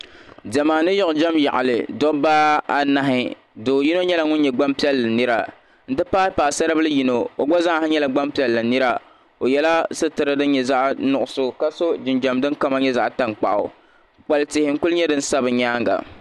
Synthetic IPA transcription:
d͡ʒɛ˨maː˨nɨ˦jɔ˦ʔʊ˨d͡ʒa˦mja̰˨ʔa˨lɨ̰˨dɔ˦baː˦a˦na˦ɦɪ˦ | doː˨ji˦no˦ɲɛ˦la˨ŋʊ˦n˦ɲɛ˨ɡ͡ba˦mpi˦ɛ˦lːɨ˨nɨ˦ɾa˨ | n̩˦˨dɨ˦paː˦pa˨sa˦ɾɨ˦bɨ˦lɨ˦ji˦no˨o˨ɡ͡bɔ˦za˦˨ha˦ɲɛ˦la˨ɡ͡ba˦mpi˨ɛ˨lːɨ˨nɨ˦ɾa˦ | o˨jɛ˦la˦sɨ˦tɨ˨ɾɨ˦dɨ˦n˦ɲɛ˨za˦ʔnʊ˨ʔʊ˨so˦ka˦so˦d͡ʒɪ˨nd͡ʒa˨mdɨ˦nka˦ma˦ɲɛ˦za˨ʔta˨ŋk͡pa̰˨ʔʊ̰˨ | k͡pa˨ltɪ˨hɪ˨ŋ̩˦kʊ˦lɲɛ˦dɨ˦n̩˦sa˦bɨ˨ɲaː˦ŋɡa̰˨

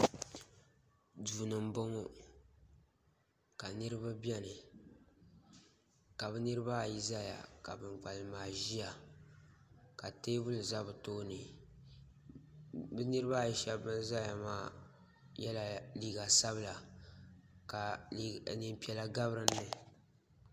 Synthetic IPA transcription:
duː˨nɨ˨m̩˦bo˦ŋo˦ | ka˨nɨ˦ɾɨ˦ba˦bɛ˦nɨ˨ | ka˨bɨ˦nɨ˦ɾɨ˦ba˦˨ji˦za˦ja̰˨ka˨bɨ˨ŋ͡mk͡pa˨lɨ˨maː˨ʒi˦ja˨ | ka˨teː˦bʊ˦lɨ˨za˦bɨ˨toː˦nɨ˨ | bɛ˦nɨ˦ɾɨ˦ba˦˨ji˦ʃɛ˦bːɨ˦n˦za˦ja˨maː˦˨ | jɛ˦la˨liː˦ɡa˨sa˦bɨ˦la˨ | ka˨˦˨nɨ˦m˦pi˦ɛ˦la˦ɡa˦bɾɨ˦nːɨ˦

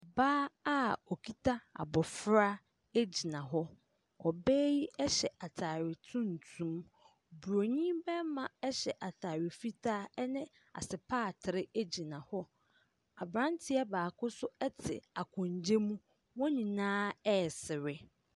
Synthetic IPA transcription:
baː˦a˦ɔ˨kʰi˦tʰa˦a̰˨bɔ˨fɾa˦ | e˦d͡ʑi˨nã˨ɦɔ˦ | ɔ˨bɛː˦ji˦ɛ˦ɕɛ˨ʔa˨tʰaː˨ɾɪ˨tʰũ˦n˨tʰũ˦m | bu˨ɾo˨ɲĩ˦bɛ˦mã˨ɛ˦ɕɛ˨ʔa˨tʰaː˨ɾɪ˨fi˦tʰa˦ɛ˦nɪ̃˦ | a̰˨sɪ˨pʰaː˦˨tʰɪ˨ɾɪ˦e˦d͡ʑi˨nã˨hɔ˦ | a˨bɾã˦n˦tʰɪ˦a˦baː˨kʰʊ˦sʊ˦ɛ˦tʰɪ̰˨a˨kʰɔ̃˨ɲ˨d͡ʑe˦mũ˦ | wɔ̃˦nĩ˨nãː˦ɛ˦˨sɪ˨ɾɪ˦

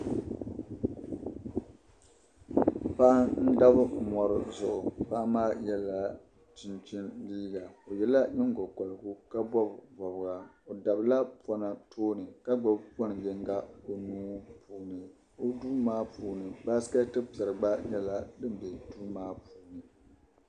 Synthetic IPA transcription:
pa˦ʔa˦n̩˦da˦bɨ˦˨mɔ˨ɾɨ˦zʊ˨ʔʊ˨pa˦a˦maː˦jɛ˦la˨ | t͡ʃɪ˨nt͡ʃi˦nliː˦ɡa˨o˨jɛ˨la˦ɲɪ˦ŋɡɔ˨kɔ˨lɡu˦ka˦bɔ˦bvɔ˨bɨ˨˦ɡa˨o˨da˨bla˦pɔ˦na˨tʰoː˦nɨ˨ka˦ɡ͡bɔ˦bpɔ˦nɨ˨jɪ˦ŋɡa˦o˨nuː˦pʰuː˨nɨ˨ | o˦duː˦maː˦puː˨nɨ˨ba˦ska˦tɨ˦pi˨ɛ˨ɾɨ˨ɡ͡ba˦jɛ˦la˦dɨ˦m˦be˨duː˦maː˦puː˨nɨ˨

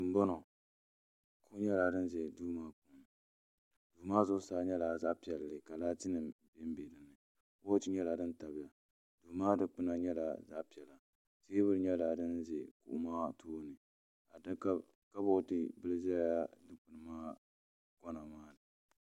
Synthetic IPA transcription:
ɨ˨m˦bɔ˦nɔ˨ | kʰu˦ɲɛ˦la˨dɨ˦nzɛ˨duː˦maː˦k͡pu˨m | d̥uː˨maː˦zʊ˦saː˨˦ɲɛ˦la˨za˦ʔpi˨ɛ˨llɨ˨ka˨laː˦t͡ʃi˦nɨ˨be˦m˦be˨dɨ˨nɨ˨ | o˦t͡ʃi˦ɲɛ˦la˨dɨ˦nta˨bɪ˨ja˨ | duː˨maː˦dɨ˦k͡pɨ˦na˨ɲɛ˦la˨za̰˦ʔpi˨ɛ˨la˨ | seː˦bʊ˦ɾɨ˦ɲɛ˦la˨dɨ˦nzɛ˨kṵ˨ʔmaː˦tʰoː˦nɨ˨ | a˨dk | ka˦bɔ˦tɨ˦bɨ˦lɨ˦zɛ˦a˦dɨ˦k͡pɨ˨nɨ˨maː˦ | ɡ̥ɔ˦na˨maː˦nɨ˨

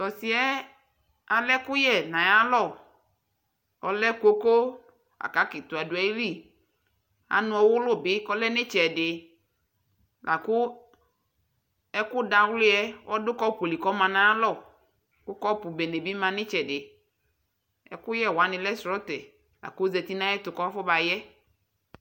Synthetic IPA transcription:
t̪ɔ˨sɪ˨ɛ˦ | a˨lɛ˦kʊ˦jɛ˦˨nã˨ja˦lɔ˦˨ | ɔ˨lɛ˦ko˦ko˦ | a̰˨ka˦kɪ˨t̪ʊ˨a˨dʊ˨˦ɛ˨˦li˦˨ | a̰˨nʊ̃˨ɔ˨wʊ˦lʊ˦bɪ˦kɔ˦lɛ˦nɪ̃˦t͡ʃɛ˨dɪ˨ | lʔa˨kʊ˦ | ɛ˦kʊ˦da˨wlɪ˦ɛ˦wɔ˦dʊ˦kɔ˦po˨li˨kɔ˦mã˨nã˨ja˦lɔ˦˨ | kʊ˦kɔ˦pʊ˨bɛ˨ne˨bi˦mã˨nɪ̃˦t͡ʃɛ˨dɪ˨ | ɛ̰˨kʊ˦jɛ˦˨wa˨˦nɪ̃˨lɛ˦sɾɔ˦tɛ˨ | la̰˨kʊ˦zɛ˨t̪i˦nã˦ɛ˦t̪ʊ˨kɔ˦fɔ˦ba˨jɛ˦

